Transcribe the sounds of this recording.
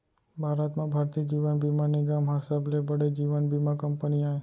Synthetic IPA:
bʱaɾət̪mãbʱaɾt̪iːd͡ʒiʋənbʱimãniɡamɦasablebəɽed͡ʒiʋənbʱimãkəmpəniae

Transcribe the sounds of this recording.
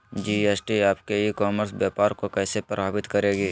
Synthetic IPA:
d͡ʒiːeːsʈiaːpkeikɔːməɾsbjaːpaːɾkokɛːsepɾɐ̰bʱaːbɪt̪kɐɾeːɡiː

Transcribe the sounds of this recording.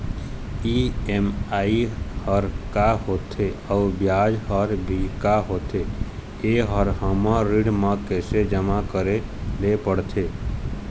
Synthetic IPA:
iemaihəɾkaɦot̪ʰeəubjad͡ʒɦəɾbʱikaɦot̪ʰe | eɦəɾɦəmə̃ɾiɽmə̃kɛsed͡ʒəmakəɾelepəɽt̪ʰe

